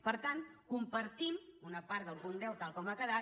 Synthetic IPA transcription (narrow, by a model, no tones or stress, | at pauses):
pəɾt̪ankumpəɾt̪imunəpaɾd̪əlˠɣundɛwt̪alˠkɔmakəða